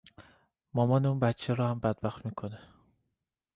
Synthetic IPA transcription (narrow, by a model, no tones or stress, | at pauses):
mɒmɒːneuːnbæt̪t͡ʃʰeɾɒːhæmbæd̪̚bæxt̪miːkʰone